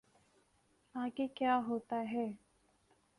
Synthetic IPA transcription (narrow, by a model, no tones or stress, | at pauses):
ãːkekjaːɦoːt̪aɦɛː